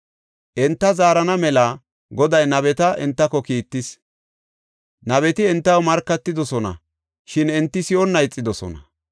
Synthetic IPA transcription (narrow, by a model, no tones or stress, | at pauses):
ʔɛnt̪ːɐzaːɾɐnɐmɛlɐ | ɡɔd̪ɐjnɐβɛt̪ɐʔɛ̰nt̪ːɐkɔkiːt̪ːɪs | nɐβɛt̪ɪɛnt̪ːɐwmɐɾkːɐt̪ːɪd̪ɔsɔnɐ̰ | ʃɪnɛnt̪ːɪsɪɔnːɐjt͡sʼːɪd̪ɔsɔ̰nɐ